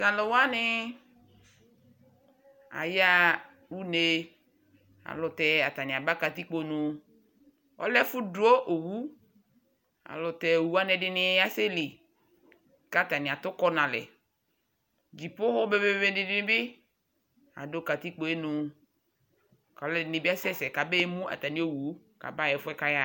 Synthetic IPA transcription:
sa˨le˨wa˦nɪ˦ | a̰˨ja˦ | wu˦ne˦ | a̰˨lʊ˨t̪ɛ˨a˨t̪a˨nɪ̃˨a˨ba˦ka˨t̪i˦k͡po˨˦nũ˨ | ɔ̰˦lɛ˦fu˦du˦o˦ʔo˨wu˦ | a̰˨lʊ˨t̪ɛ˨o˨wu˦a˦nɛ˨ɖɪ˦nɪ˨˦a˦se˦li˨ | ka˦˨t̪a˨nĩ˨a˨t̪ʊ˦kɔ˦nã˨lɛ̰˨ | d͡ʒi˨po˦ho˦be˦be˦be˦be˦di˨dɪ˦nɪ̃˦bɪ˦ | a̰˨do˦ka˨t̪i˦k͡po˨e˦nʊ̃˨ | ka˨ɔ˦lɛ˦dɪ˨nɪ˨bi˦a˦sɛ˦sɛ˨ka˨be˦mũ˦a̰˨t̪a˨nĩ˨˦o˨wu˨˦ | ka̰˨ba˦jɛ˨fʊ˦ɛ˦ka˦ja˦

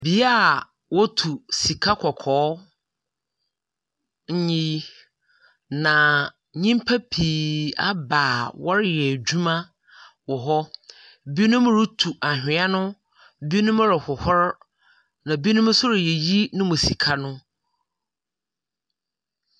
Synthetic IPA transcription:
bi˨˦a˦˨ | wɔ˦tʰu˨si˨kʰa˦kʰɔ˨kʰɔː˨˦ | ɲ̩˦ɲĩ˦i˦ | nã˨ | ɲĩ˦mpʰa˦pʰiː˨a˦baː˨wɔ˦ɾɪ˦jɛ˨d͡ʑᶣu˦mã˦ | wɔ˨ɦɔ˦ | bi˦nʊ̃˦m˦ɾu˦tʰu˨ʔa˨hᶣɪ̃˨˦a˦nʊ̃˦ | bi˦nʊ̃˦m˦ɾɪ˨hʊ˨hɔ˦ɾ | nã˨bi˦nʊ̃˦m˦sʊ˦ɾɪ˨jɛ˨ji˦nʊ̃˦mʊ̃˨si˨kʰa˦nʊ̃˦

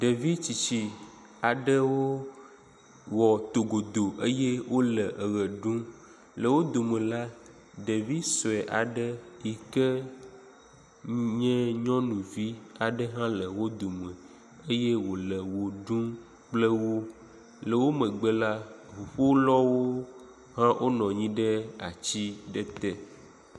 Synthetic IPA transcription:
ɖə˨vi˦t͡ɕi˨t͡ɕi˨ | a˨ɖə˦wo˦ | wɔ˨t̪o˨ɡo˨d̪o˨ʔə˦je˦wo˦lə˨ʔə˨ɣə˨ɖũ˦ | lə˨wo˦d̪o˨mə̃˨la˦ | ɖə˨vi˦sɔ˨ɛ˨ʔa˨ɖə˦ji˨kə˦ | ɲɛ̃˦ɲɔ̃˦nũ˨vi˦a˨ɖə˦ɦã˦lə˨wo˦d̪o˨mə̃˨ | ə˦je˦wo˨lə˨wo˨ɖũ˦ | k͡plə˦wo˦ | lə˨wo˦mə̃˨ɡ͡bə˦la˦vu˨ɸo˦lɔ˦wo˦ | ɦã˦wʔo˦nɔ̃˨ɲĩ˦ɖə˦a˨t͡ɕi˦ɖə˦t̪ɛ˦

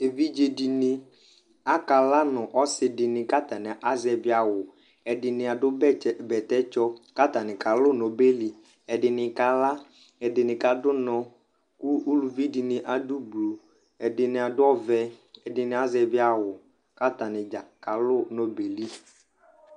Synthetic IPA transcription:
e˨vi˦d͡ʒe˨di˨nɪ̃˦ | a˦ka˨la˦nʊ˨ʔɔ˦sɪ˨dɪ˨nɪ̃˨ka˦t̪a˨nɪ˨ʔa˦zɛ˨bɪ˦a˨wʊ˨ | ɛ˨dɪ˨nɪ˨a˨dʊ˦bɛ˦ɛ˦bɛ˨t̪ɛ˦t͡ʃɔ˦ka˦t̪a˨nɪ̃˨ka˨lʊ˦˨nɔ˨be˦li˨ | ɛ˨dɪ˨nɪ˨ka˨la˦ | ɛ˨dɪ˨nɪ̃˨ka˨dʊ˦nɔ̃˨ | kʊ˦u˦lu˨vi˦di˨nɪ˨ʔa˨du˦blu˨ | ɛ˨dɪ˨nɪ˨a˨dʊ˦ɔ˦vɛ˦ɛ˨dɪ˨nɪ̃˨˦a˦zɛ˨bɪ˦a˨wʊ˨ | ka˦t̪a˨nɪ̃˨d͡ʒa˨ka˨lʊ˦˨nɔ˨be˨li˦

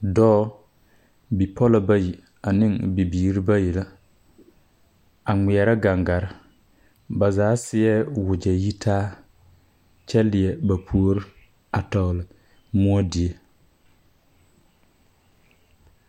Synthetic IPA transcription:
dɔː˦ | bi˨pʰɔ˦la˨ba˦ji˨ | a˨nɪ˦ŋbi˨biː˨ɾi˦ba˦ji˨la˦ | a˨ŋi˨ɛ˨ɾa˦ɡa˨ŋɡa˨ɾɪ˦ | ba˨zaː˨˦sɪ˦ɛ˦wʊ˨d͡ʒɛ˨ji˦tʰaː˦ | t͡ʃɛ˦lɪ˨ɛ˨ba˨pʰu˦o˦ɾɪ˦ | a˨tɔ˨ɣlɪ˨ | mʊ˦ɔ˦di˨e˦

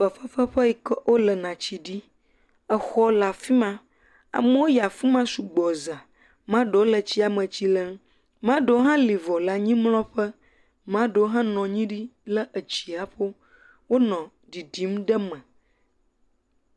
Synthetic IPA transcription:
ɸə˨ɸə˦ɸə˦ɸə˦i˨kə˦wʔo˦lə˨nã˨t͡ɕi˨ɖi˦ | ə˨xɔ˦la˨fi˦mã˦ | a̰˨mə˦wo˦ja˨fi˦mã˦su˨ɡ͡bɔ˨za˨ | mã˦ɖə˨wo˦lə˨t͡ɕi˦a˨mə̃˨t͡ɕi˦lə˦m | mã˦ɖə˨˦o˦ɦã˦li˨vɔ˨la˨ɲĩ˦mlɔ̃˦ɸə˦ | mã˦ɖə˨wo˦ɦã˦nɔ̃˨ɲĩ˦ɖi˦lə˦ʔə˨t͡ɕi˨a˨ɸo˦ | wo˦nɔ̃˨ | ɖi˨ɖi˨˦mɖə˦mə̃˨

